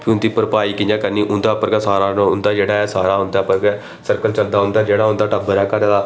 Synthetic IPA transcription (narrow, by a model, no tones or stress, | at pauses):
pʰiʊnd̪iːpəɾpaːiːkijãːkəniːʔʊnd̪aːpəɾɡɛːsaːɾaːʊnd̪aːd͡ʒeːɽaːɛːsaːɾaːɦʊnd̪aːpəɾɡɛː | səɾkəlt͡ʃəld̪aːɦʊ̃nd̪aːd͡ʒeːɽaːɦʊ̃nd̪aːʈəbəɾɛːkəɾd̪aː